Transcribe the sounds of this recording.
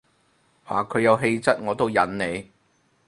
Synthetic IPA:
wa̰ː˨kʰɵ˨˧ɥjɐ˨˧wɦe˧jt͡sɐ˥t̚ŋɔː˨˧t̪o˥wjɐ˨˥nne˨˧j

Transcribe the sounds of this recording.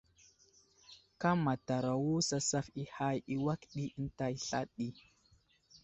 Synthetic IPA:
ka˦ma˨ta˨ɾa˨wu˦sa˦sa˦fi˦ha˦ji˦wa˦kɗi˦ə˦n˦ta˦i˦ɬa˦ɗi˦

